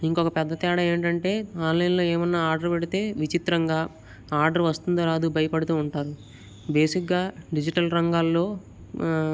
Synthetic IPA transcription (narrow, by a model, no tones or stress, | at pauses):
iŋkɔkɐpɛd̪ːɐt̪ɛːɽɐe̞ːɳʈɐɳʈe̞ːaːllɐjɐnlo̞ːeːmɐnːaːaːɾɖɐɾpeɽit̪e̞ːʋit͡ʃit̪ɾɐŋɡaː | aːɾɖɐɾʋɐst̪und̪oɾaːd̪ubʱɐjɐpɐɽut̪uːɳʈaːɾu | be̞ːsik̚ɡaːɖid͡ʒiʈɐlɾɐŋɡaːlːo̞ː